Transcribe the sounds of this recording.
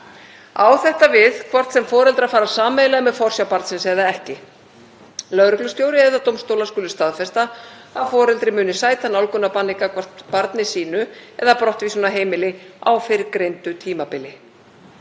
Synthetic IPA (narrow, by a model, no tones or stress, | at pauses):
a̰ːwθɛht̪avɪðkʰvɔr̥t̪sɛmfɔːɾɛlt̪ɾafaːɾḁsaːmejlaɣmɛðfɔr̥sjawpaɾt̪sɛmsɛɣðaɛhcɪ | lœɣɾʏklʏst̪jowɾɪɛðat̪owmst̪owlaskʏːlʏst̪aðfɛst̪a | afɔːɾɛlt̪ɾɪmʏːnɪsaːjt̪anawlkʏnapanːiŋkakʰvɔr̥t̪paɾt̪nɪsiːnʏɛðapɾɔht̪visʏnaɦeːjmɪlɪa̰wfɪɾɪɾkɾejnt̪ʏt̪ʰiːmapɪlːɪ